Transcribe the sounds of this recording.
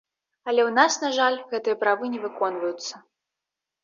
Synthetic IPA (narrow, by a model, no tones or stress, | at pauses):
ɐlʲɛwnasnaʐalʲɣɛt̪ɨjɐpɾavɨnʲɛvɨkɔnvɐjut̪sːɐ